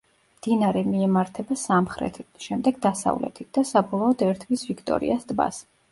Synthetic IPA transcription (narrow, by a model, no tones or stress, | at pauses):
md̪̥inaɾɛmiɛmaɾt̪ʰɛbasamχɾɛ̰t̪ʰʃɛmd̪ɛɡd̪asa̰vlɛ̰t̪ʰit̪̚ʰd̪̥asabɔlˠɔɔd̪ɛɾt̪ʰvisvikʰt̪ʼɔ̰ɾḭasd̪ba̰s